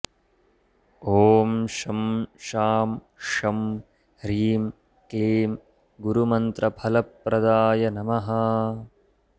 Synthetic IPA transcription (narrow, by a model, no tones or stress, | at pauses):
oːmʃɐmʃaːm | ʃɐm | ɾiːm | keeːm | ɡuɾumɐnt̪ɾɐpʰɐlɐpːɾɐd̪aːjɐnɐmɐɦɐ